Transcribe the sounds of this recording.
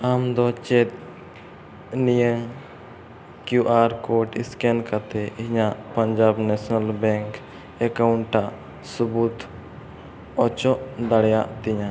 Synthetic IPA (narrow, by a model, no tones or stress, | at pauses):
amd̪ɔt͡ʃɛt̪̚ | nijəŋ | kjuʔaɾkɔʈiskɛnkat̪ɛhiɲaʔpəɲd͡ʒabnɛsnalbɛ̃ŋk | ɛkawɳʈːaʔ | subut̪ʰ | ɔt͡ʃɔʔd̪aɽɛjaʔt̪iɲa